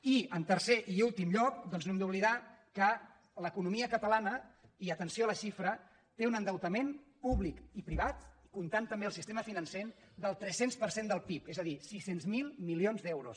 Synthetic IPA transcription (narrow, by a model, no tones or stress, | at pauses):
iənt̪əɾseʔiulˠt̪imʎɔk̚d̪ɔnznoɛmd̪uβliða | kə | ləkunumiəkət̪əlanəiət̪ənsioələʃifɾə | t̪eunənd̪əwt̪əmenpuβlikipɾiβ̞at̪kunt̪ant̪əmbeəlˠsist̪eməfinənsen | d̪əlˠt̪ɾɛsenspəɾsend̪əlˠpipezəðisisenzmilˠmilionzðɛwɾṵs